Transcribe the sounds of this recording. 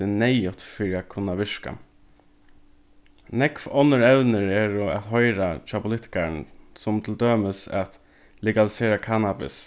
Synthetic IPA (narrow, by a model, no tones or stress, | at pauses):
ɪnɛjʊt̪fɪɾɪat̪kʰʊnːaʋɪʂka̰ | nɛkfɔnːəɹɛwnɪɹɛɹʊat̪ɦɔjɾat͡ʃʰaːpʰʊlɪt̪ɪ̥kaɾnsʊmt̪ʰɪld̪øːməsat̪ | lɛɡalɪseːɾakʰanabɪ̰s